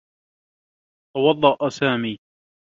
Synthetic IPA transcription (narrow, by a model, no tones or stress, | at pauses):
t̪ɑwɑd̪ˤːɑʔsaːmiː